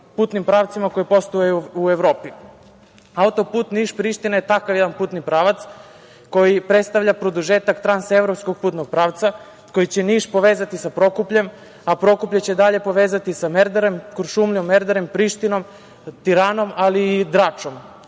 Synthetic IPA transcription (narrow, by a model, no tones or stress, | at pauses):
puːt̪nimpɾaʋt̪simako̞jipo̞st̪ujajuueʋɾoːpi | aut̪o̞puːt̪niʃpɾiːʃt̪inajet̪akaʋjed̪anpuːt̪nipɾaːʋat̪s | ko̞jipɾet̪st̪aʋʎapɾo̞d̪uʒeːt̪akt̪ɾansevɾopsko̞ɡ̚puːt̪noɡ̥̚pɾaːʋt̪sa | ko̞jit͡ɕe̞niːʃpo̞ʋeːzat̪isapɾo̞kupʎe̞m | apɾo̞kupʎet͡ɕed̪aʎe̞po̞ʋeːzat̪isameɾd̪eɾemkoɾʃumʎomːeɾd̪eɾempɾiːʃt̪ino̞m | t̪iɾaːno̞maliːd̪ɾat͡ʂo̞m